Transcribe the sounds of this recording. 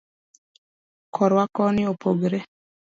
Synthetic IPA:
kʰɔɾwakɔnɪopoɡɾe

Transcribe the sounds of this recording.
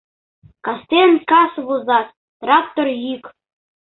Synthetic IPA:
kɑst̪ʲenʲkɑsβuzɑt̪̚ | t̪rɑk̚t̪orjik

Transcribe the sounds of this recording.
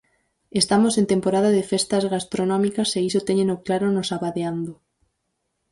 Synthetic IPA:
est̪amosẽnt̪empoɾað̞aðefest̪azɣast̪ɾonɔmikɐseisot̪eɲenoklaɾonosaβaðeand̪o

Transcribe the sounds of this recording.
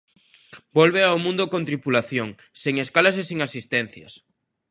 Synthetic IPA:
bolβeawmũnd̪okõnt̪ɾipulaθjoŋ | seŋeskalasesiŋasist̪ɛn̟θjɐ̰s

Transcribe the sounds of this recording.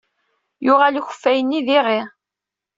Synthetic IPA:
jʊʁæliçə̥fːæjənːiðɪʁɪ

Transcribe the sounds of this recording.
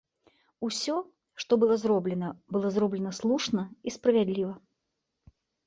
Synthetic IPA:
usʲɔ | ʂt̪ɔbɨlˠɔzɾɔblʲɛnɐbɨlˠɔzɾɔblʲɛnɐslˠuʂnɐispɾɐvʲad̪lʲivɐ

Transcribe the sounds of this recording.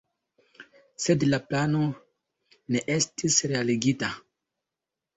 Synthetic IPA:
sedlaplano | neʔestisɾealeɡita

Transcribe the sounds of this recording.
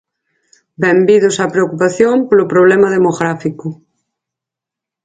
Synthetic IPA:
bɛmbiðosapɾeokupaθjõmpolopɾoβ̞lemaðemoɣɾafikʊ

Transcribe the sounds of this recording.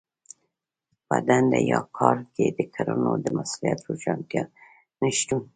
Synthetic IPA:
bad̪and̪ajɑqʰɑɾked̪əkʰaɾonod̪əmasulijat̪ɾoʃɑnt̪jɑ | nəʃt̪un

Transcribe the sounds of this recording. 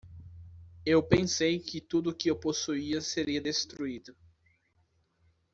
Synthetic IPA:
ewpẽsejkɪt̪ud̪ʊkɪewposuiɐseɾiɐd̪est̪ɾuid̪ʊ

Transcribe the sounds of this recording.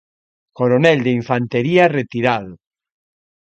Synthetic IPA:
koɾonɛld̪eiɱfant̪eɾiaret̪iɾaðʊ

